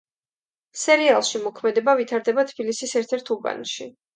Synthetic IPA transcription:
sɛɾialˠʃimɔkʰmɛd̪ɛbavit̪ʰaɾd̪ɛbat̪ʰb̥ilisisɛɾt̪ʰɛɾt̪ʰuba̰nʃi

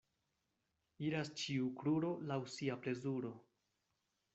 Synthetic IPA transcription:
iɾast͡ʃiukluɾo̞lawsiaple̞zuɾo̞

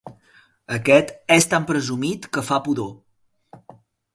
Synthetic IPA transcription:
əkɛt̪ɛst̪ampɾəzumit̪kəfapuðo

